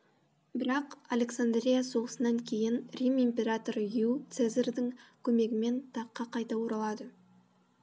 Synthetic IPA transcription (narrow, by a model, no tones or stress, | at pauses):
bɪɾɑqalʲe̞ksand̪ɾʲijaso̞ʁəsənɑŋkʲʰe̞jɪnrʲimimpʲe̞ɾat̪o̞ɾjut̪sezerd̪ɪŋkʲʰɵme̞ɡʲɪme̞nt̪ʰɑqːɑqʰɑjt̪ɑwoɾɑlˠɑd̪ə